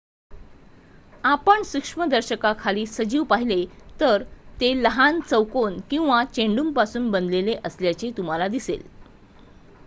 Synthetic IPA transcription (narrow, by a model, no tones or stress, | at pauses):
apəɳsukʂməd̪əɾɕəkakʰaliːsəd͡ʑiːʋpaɦilet̪əɾt̪eləɦant͡səwkonkĩw̃ʋat͡ɕeɳɖumpasuːnbənd̪leleʔəsljat͡ɕet̪um̤alad̪isḛl